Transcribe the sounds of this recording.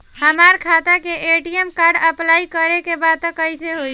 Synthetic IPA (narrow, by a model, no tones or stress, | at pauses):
həmaɾkʰat̪akeʔeʈijemkaːɾɖəplaːikəɾekebad̪̚t̪əkəiseɦoi